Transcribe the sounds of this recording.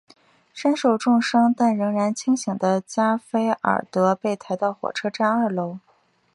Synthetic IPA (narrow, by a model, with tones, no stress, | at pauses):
ʂə˥nʂo˨˩ʊʈ͡ʂʊ˥˩ŋʂɤ˥ŋt̪a˥˩nɻɤ˧˥ŋɻa˧˥nt͡ɕʰi˥ŋɕi˨˩ŋd̪ə˦t͡ɕja˥fe˥ɪə̰˨˩t̪ɤ˧˥pe˥˩ɪt̪ʰa˧˥ɪt̪ɑ˥˩ʊxwɔ̰˨˩ʈ͡ʂʰɤ˥ʈ͡ʂa˥nə˞˥˩lo˧˥ʊ